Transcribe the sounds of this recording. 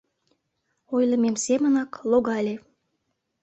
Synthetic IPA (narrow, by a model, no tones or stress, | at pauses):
ojlˠəmemsemənɑklˠoɣɑlʲe